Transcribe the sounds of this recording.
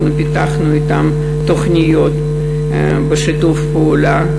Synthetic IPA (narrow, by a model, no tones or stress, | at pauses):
nupʲit̪aχnuit̪am | t̪oχnʲɪjot̪ | bəʃit̪ufpəula